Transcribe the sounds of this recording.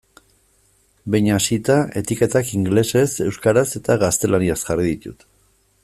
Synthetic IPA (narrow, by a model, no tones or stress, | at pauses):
bejɲasit̪ae̞t̪ike̞t̪akiŋɡle̞se̞se̞wskaɾase̞t̪aɣast̪e̞lʔaniasʝariðit̪ṵt̪